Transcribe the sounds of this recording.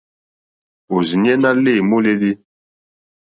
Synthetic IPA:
o˨zi˨ɲ˦ɛ˦na˦le˦˨mo˦le˦li˦

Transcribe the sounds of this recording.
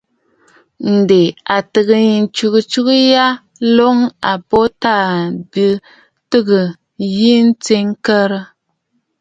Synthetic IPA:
n̩˨de˨a˨tɨ˨ɣɨ˨ɲi˨n˦t͡ʃu˨kɨ˨t͡ʃu˦kɨ˦ja˦ | lo˦ŋa˨bo˦ta˦˨bi˦ | tɨ˦˨ɣɨ˨ | ji˦n̩˦t͡se˦ŋkə˦ɾə˦

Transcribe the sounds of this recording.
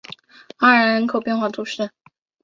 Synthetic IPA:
a˥˩ɻə˧˥ɻə˧˥nkʰo˨˩ʊpjɛ˥˧nxwa˥˩t̪ʰu˧˥ʂɻ̩˥˩

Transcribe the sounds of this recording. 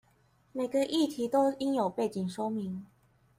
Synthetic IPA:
me˨˩ɪɡə˨˧ʔi˥˨t̪ʰi˨˦t̪o˥˦ʊi˦njo˨˩ʊpe˥˩ɪt͡ɕi˨˩ŋʂwo˥mi˨˦ŋ

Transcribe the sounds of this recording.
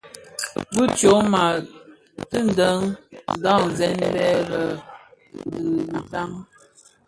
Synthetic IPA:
bu˦t͡ʃo˨˦ma˨ | tə˦n̩˨də˦ŋ˨da˦˨n˨zɛ˦nbɛ˦ɾə˨ | n˦dɨ˨n˨ta˦ŋ

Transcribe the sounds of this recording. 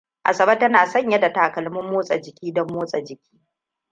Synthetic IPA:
ʔa̰˨sɐ˨bɐ˦tɐ˦naː˨sɐ˦˨ɲjɐ˦da˨taː˨kɐ˨lmʊ˦mːoː˦sʼɐ˨d͡ʒɪ˨kʲiː˦dɔ˦mːoː˦sʼɐ˨d͡ʒɪ˨kʲʰi̥ː˦

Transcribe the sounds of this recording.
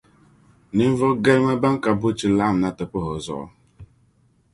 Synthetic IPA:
ni˦m̩˦vɔ˦ɡɛ˦lmɛ˦ba˦ŋ˦ka˨bu˦t͡ʃi˨la˦˨m˨na˦tə˨pɔ˦ɦɔ˨zɔ̰˦˨ʔɔ̰˦

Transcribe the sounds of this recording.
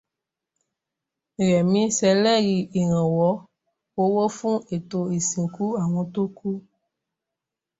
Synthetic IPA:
ɾɛ˨mĩ˦sɛ˨lɛ˦ɣi˨ʔe˨ɾ̃ã˨wɔ˨˦ | wo˦wo˦fũ˦e˨t̪o˨e˨sĩ˨ku˦a˨w̃ɔ̃˦t̪o˦ku˦

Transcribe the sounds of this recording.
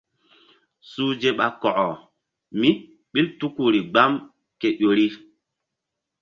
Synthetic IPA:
suː˦d͡ʒe˦ɓa̰˨kɔ˨ʔɔ˨ | mi˦ | ɓi˦ltu˦ku˦˨ɾi˨ɡ͡ba˦m | ke˨ɗo˨ɾi˦

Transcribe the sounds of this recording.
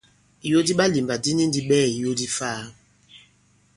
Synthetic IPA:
i˨jo˦di˦ɓa˦li˨mba˨di˦ni˦n˦di˦ɓɛː˦˨i˨jo˦di˦fa˦˨

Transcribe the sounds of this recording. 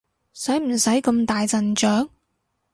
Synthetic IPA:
sɐ˨˥jm̩˨˩sɐ˨˥jkɐ˧mt̪aː˨jt͡sɐ˨nt͡ʃœː˨˥ŋ

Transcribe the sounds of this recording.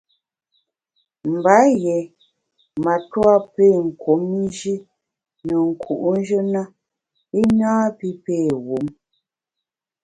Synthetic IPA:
m̩˨ba˨˦jɛ˨ | ma˨twa˦peː˦˨ŋ̩˨kwo˨˦mi˦d͡ʒi˦ | nə˨ŋ̩˨kʰu˨ʔu˦n˦d͡ʒə˦na˦ | i˦ɲaː˦pi˦peː˦˨ɣu˨˦m

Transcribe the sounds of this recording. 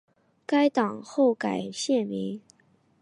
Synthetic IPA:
ka˥ɪt̪ɑ˨˩ŋxo˥˩ʊka˨˩ɪɕjɛ˥˩nmi˧˥ŋ

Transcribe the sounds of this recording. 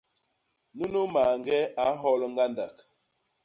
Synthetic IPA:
nu˦nu˦ma˨ŋɡɛ˦a˨˦ɦɔ˦lŋ˦ɡa˦nda˨k

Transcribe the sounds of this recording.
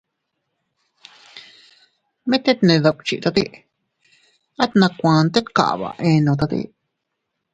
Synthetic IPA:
mẽ˦t̪e˦t̪nẽ˧ða˧k̚ʷt͡ʃi˧ʔt̪a˧t̪i˦ʔ | a˦t̪nã˧kʷã˨˧nt̪e˦t̪ka̰˨ʔβa̰˨˧ʔẽ˧nõ˨˧t̪a˧t̪ḭ˧

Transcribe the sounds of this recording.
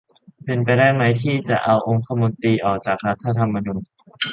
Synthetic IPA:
pe˧npa˧jdaː˥˩jma˦˥jt̪ʰiː˥˩t͡ɕa˨˩ʔa˧wʔo˧ŋkʰa˧mo˧nt̪iː˧ʔɔː˨˩k̚t͡ɕaː˨˩k̚ɾa˦˥t̪ʰːa˧t̪ʰa˧mːa˧nuː˧n

